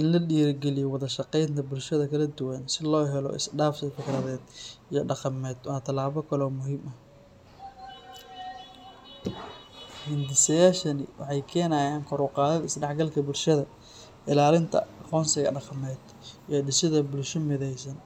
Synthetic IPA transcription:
ʔɪnlɐɗiːɐrɡɛlɪjɔwɑðɐʃɑqɛjnt̪ʰɐbʊlʃɐðɐkʰɐlɐd̪ʊwɐnsɪlɔːɦɛlɔ̰ʔɪ̰sɖaːftɪfɪkrɐðɛːd̪ijɞɖɑqɑmɛːd̪wɑːt̪ʰɐlaːβɔkʰɐlɔːmʊɦiːmɐh | hɪnd̪ɪsɐjaːʃɐnɪ̰wɑ̰ħɑjkʰɛːnaːjaːŋkʰɔɾʊqɑːðɐðɪsɖɑħɡɐlkʰɐbʊlʃɐðɐ | ʔɪlaːlɪnt̪ʰɐ̰qɔːnsɪɣɐ̰ɖɑqɑmɛːd̪̥ | ijɔɖɪsɪðɐbʊlʃɔmɪðɛjsɐn

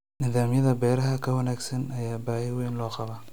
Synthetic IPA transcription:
nɪðaːmjɐðɐbɛːɾɐɦɐkʰɐwɐnaːɡsɐnɐjaːbaːhɪwɛːnlɔːqɑβɐ

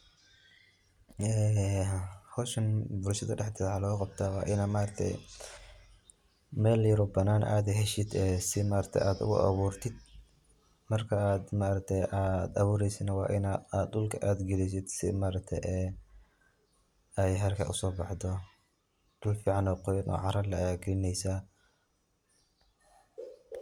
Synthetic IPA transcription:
ɛː | hɔːʃɐnbʊlʃɐðɐɖɛħd̪ɪħalɔːqɑb̥̚t̪ʰaːwɑːʔɪnaːmaːɾɐt̪ʰɛ̰j | mɛːlːjɪɾɔbɐnaːnʔa̰ːd̪ɛɦɛʃɪd̪ɛːsɪmaːɾɐk̚t̪ʰɛ̰jʔaːd̪ʊ̰ɣʊ̰ʔɐ̰βuːrt̪ʰɪd̪̥̚ | mɐrkʰɐaːd̪maːɾɐk̚t̪ʰɛjʔaːd̪ɐβuːɾɛjsɪnɐwɑ̰ːʔɪnaaːd̪dʊlkʰɐʔaːd̪ɡɛlɛjs̬ɪd̪sɪ̰maːɾɐk̚t̪ʰɛ̰jʔɛː | ɛjɦɐrkʰɐ̰ʔʊsɔːbɑħd̪ɔ | d̪̥ʊlfiːʕɑnɔːqɔjɐnʔɔ̰ːʕɑɾɐrlɐaɡɛːnɛjsa

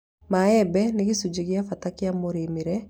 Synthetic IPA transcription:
maɛbɛneɣesud͡ʒeɣjafatakjamoɾemiɾɛ

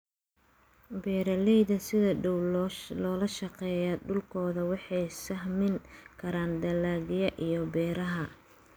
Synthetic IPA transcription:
bɛːɾɐlɛjðɐsɪðɐɖɔwllɔːlɐʃɐqɛːjɐɖʊlkʰɔːðɐwɑħɑjsɐɦmɪŋkʰɐɾaːnd̪ɐlaːɣɪjɐʔijɔbɛːɾɐɦɐ

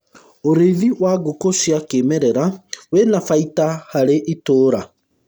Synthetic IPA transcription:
oɾeðiwaɡokoʃjakemɛɾɛɾawenafaitahaɾeʔitoːɾa

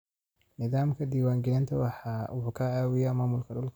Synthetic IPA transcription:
nɪðaːmkʰɐd̪iːwaːŋɡɛːnt̪ʰɐwɑħɑːwʊkʰɐaːwɪjaːmaːmʊlkʰɐɖʊlkʰ

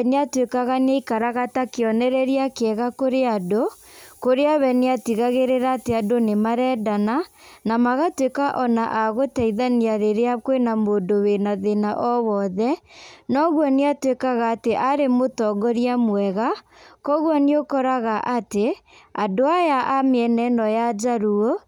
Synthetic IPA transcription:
neatwekaɣaneikaɾaɣatakeɔnɛɾɛɾiakeɛɣakoɾeadokoɾeaβɛneatiɣaɣeɾeɾaːteadonemaɾɛdananamaɣatwekaʔɔnaʔaɣotɛiðaniaɾeɾeakwenamondowenaðenaʔɔwɔðɛnɔɣwɔneatwekaɣaːteʔaɾemotɔɡɔɾiamwɛɣakɔɣwɔneokɔɾaɣaʔateadoajaʔameɛnɛnɔjad͡ʒaɾuo

